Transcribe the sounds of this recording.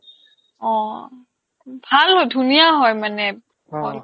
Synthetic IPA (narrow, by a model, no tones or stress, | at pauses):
ɔ̃ | bʱalɦɔjdʱunijaɦɔjmanɛ | ɔ